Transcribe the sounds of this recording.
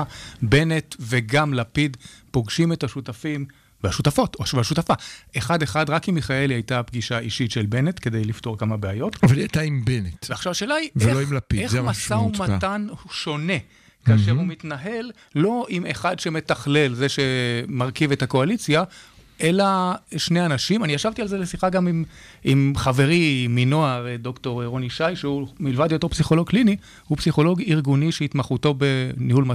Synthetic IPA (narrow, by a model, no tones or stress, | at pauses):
be̞netveɡamlapidpo̞ɡʃimetaʃutafim | veaʃutafo̞tovaʃutafaʔeχadeχadʁakimiχae̞lajtapɡiʃaiʃitʃelbe̞ne̞tke̞d̪e̞jliftoʁkamabeajo̞tavalajtaimbenetveaχʃavaʃeːlaiveeloimlapiezmasaumattanuʃo̞ne̞ | kaːʃeumitnaɦe̞lː | o̞ʔimeχad̪ʃe̞me̞taχle̞lze̞ʃe̞maʁkive̞thako̞alit͡sjaʔe̞laʃneanaʃimaniaʃavt̪ialzelesiχaɡamimimχave̞ʁiminoaʁd̪o̞kto̞ʁeʁoniʃajʃeumilvadjot̪o̞psiχo̞lo̞ɡ̚klini | hupsiχo̞lo̞ɡiʁɡuniʃeit̪maχuto̞benihulmat